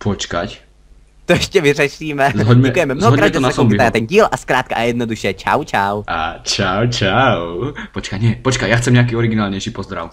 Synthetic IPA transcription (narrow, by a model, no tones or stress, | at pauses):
pʰɔt͡ʃkac | t̪ɔɛʃcɛʋirɛʃiːmɛzɦɔɟmɛkujɛmɛmnzɔɦɔɦɔkɾaɛt̪ɔnasɔmbit̪ɛnɟiːlʔaskɾaːt̪̚kaʔjɛd̪̚nɔd̪uʃɛt͡ʃa̰wt͡ʃawa̰t͡ʃawt͡ʃawpɔt͡ʃkacɲɛpɔt͡ʃkajaxt͡sɛmɲɛak̬iːɔɾiɡinaːlɲɛjʃiːpɔzd̪ɾa̰ʊ